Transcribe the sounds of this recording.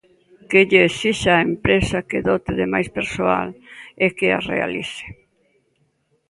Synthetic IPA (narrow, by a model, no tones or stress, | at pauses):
keʎeːsiʃaempɾesakeðɔt̪eðemajspeɾsoa̰lekea̰rḛa̰lḭse̥